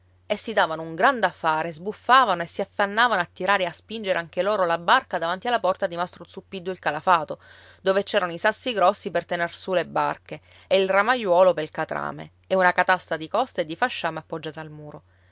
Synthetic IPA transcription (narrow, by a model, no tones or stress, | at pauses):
esːid̪aːvanouŋɡɾand̪afːaːɾezbufːaːvanoesːiafːanːaːvanoat̪ːiɾaːɾeaspind͡ʒeɾʔeaŋk̟eloːɾolabarkad̪avant̪ialːapɔrt̪ad̪imast̪ɾot̪supːid̪ːoilkalafaːt̪o | d̪ovet͡ʃɛːɾanoisasːiɡɾɔsːipert̪enersulebarke | eilramajwɔːlopelkat̪ɾa̰ːmḛ | eunakat̪ast̪ɾad̪ikɔst̪aed̪ːifaʃːaːmeapːod͡ʒːaːt̪aalmuːɾo